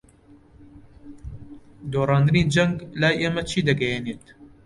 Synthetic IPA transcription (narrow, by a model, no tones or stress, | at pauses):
d̪oːrɑːnd̪ɨniːd͡ʒɐŋɡlaːjʔeːmɐt͡ʃʰiːd̪ɐɡɛjeneːt̪